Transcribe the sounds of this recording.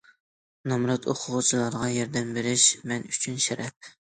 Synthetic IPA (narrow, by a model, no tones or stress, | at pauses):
nɑmɾɑt̪ʰoqʰʊʁʊt͡ʃʰilˠɑɾʁɑjɛɾd̪ɛmbeɾɪʃmɛnyt͡ʃʰynʃɛɾʔɛp̚